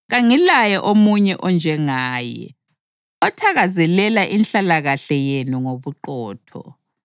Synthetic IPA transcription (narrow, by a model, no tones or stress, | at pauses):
ɣaŋilajɛʔomuɲɛʔɔnd͡ʒʱɛŋaːjɛ̰ | ɔtʰaɣazɛlɛlaʔinɬalaɣaɬɛjenuŋoβuǃɔːtʰɔ̰